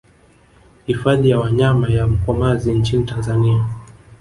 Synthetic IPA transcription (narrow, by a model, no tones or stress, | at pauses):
hifaðijawaɲamajam̩kɔmazint͡ʃinitanzania